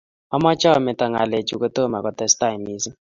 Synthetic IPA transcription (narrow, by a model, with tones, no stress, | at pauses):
ɔ˦mɔ˦t͡ʃa˦ɔ˨mɛ˨ta˨ŋa̰˨le˨t͡ʃu˨kɔ˦to˦ma˨kɔ˨tɛ˦sta˦˨mi˨˦si˦